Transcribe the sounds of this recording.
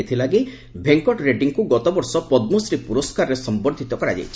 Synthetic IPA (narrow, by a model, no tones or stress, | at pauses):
et̪ʰilaɡi | bʱeŋkɔʈɾeɖiŋkuɡɔt̪ɔbɔɾsɔpɔd̪mosɾipuɾɔskaɾɔɾesɔmbɔɾd̪ʱit̪ɔkɔɾad͡ʒa̰jt͡ʃʰi̥